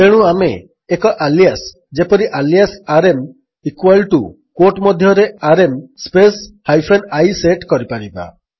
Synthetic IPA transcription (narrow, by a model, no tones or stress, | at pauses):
eɽ̃ũameː | kɔʔaljas | d͡ʒepɔɾiʔalijasaɾem | ikwalʈu | koʈmɔd̪ʱjɔɾeaɾemspeshajpʰenajseʈkɔɾipaɽiba̰